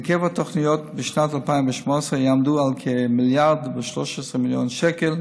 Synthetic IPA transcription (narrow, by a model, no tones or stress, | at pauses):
kʰɛvətʰɔχnijɔtbɪʃnatalˠpaɪmvɪʃmɔsəjamduːalˠkʰɪmɪlˠjaɾdvɪʃlɔʃɛsəmɪljonʃɛkɛl